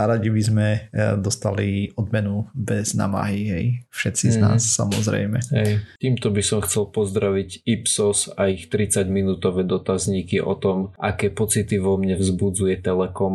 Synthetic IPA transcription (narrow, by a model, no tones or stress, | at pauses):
naɾaɟibizmɛd̪ɔst̪aliɔd̪mɛnubɛzna̰ma̰ɦiɦɛ̰jfʃɛt̪t͡sizna̰ːsːamɔzɾɛ̰jmɛ̰ɦɛjt̪iːmt̪ɔbisɔmxt͡sɛlpɔzd̪ɾaʋiɟipsɔsaixt̪ɾit͡saɟminuːt̪ɔʋɛːd̪ɔt̪azɲiːkiʔɔ̰t̪ɔmʔa̰kɛːpɔt͡sit̪iʋɔmɲɛvzbud͡zujɛt̪ɛlɛkɔm